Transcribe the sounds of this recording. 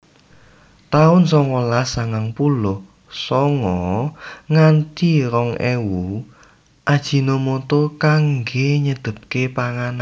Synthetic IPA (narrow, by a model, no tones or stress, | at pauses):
t̪aʊnsɔŋɔlasaŋaŋpulʊh | sɔŋɔ | ŋant̪iɾɔŋḛwu | ʔad̥ʒ̥i̤nomot̪okaŋɡeɲəd̪̥ə̤p̚kepaŋana